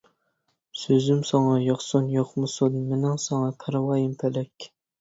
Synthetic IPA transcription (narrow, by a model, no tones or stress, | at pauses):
søzymsɑŋɑjɑχsunjoχmɨsunmɪnɪŋsɑŋɑkʰɑɾɑwɑːjimpʰælɛkʲ